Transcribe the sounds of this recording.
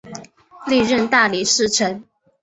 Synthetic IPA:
li˥˧ɻə˥˧nt̪a˥˩li˨˩ʂɻ̩˥˩ʈ͡ʂʰə˧˥n

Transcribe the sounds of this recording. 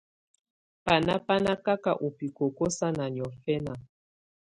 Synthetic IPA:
pa˨na˦pa˦na˦ka˦ka˦˨ʔu˨pi˨ko˨ko˦sa˦na˨ɲ˨ɔ˨fɛ˦na˨

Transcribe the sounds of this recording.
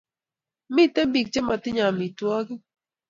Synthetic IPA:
mɪ˦tɛ˦mbi˨k̚t͡ʃe˦ma˨tɪ˦ɲa˨mi˨twɔ˦ɡɪ˦

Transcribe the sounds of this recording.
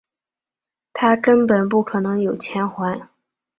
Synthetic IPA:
t̪ʰa˥kə˥npə˨˩np̬u˥˩kʰɤ˨˩nɤ˧˥ŋjo˨˩ʊt͡ɕʰjɛ˧˥nxwa˧˥ɪ

